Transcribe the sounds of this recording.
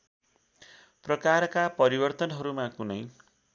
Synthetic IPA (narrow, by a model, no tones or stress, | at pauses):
prʌkarkapʌɾibʌrt̪ʌnɦʌɾumakunʌj